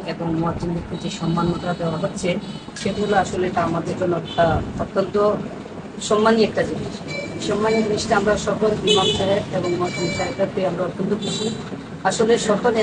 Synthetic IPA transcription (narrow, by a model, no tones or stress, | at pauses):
eboŋmoad͡ʑind̪ekʰːit̪eʃɔmːanmat̪ɾad̪eoaɦotːɕʰe | ʃet̪aɦoloaʃoleeʈaamad̪eɾd͡ʑonːɛkʈaot̪ːont̪o | ʃɔmːaniɛk̚ʈad͡ʑiniʃʃɔmːanid͡ʑiniʃʈaamɾaʃɔkolbimamʃaɦeɾeboŋmoad͡ʑinʃaɦekaɾpeamɾaɔt̪ːont̪okuʃʰi | aʃoleʃɔkole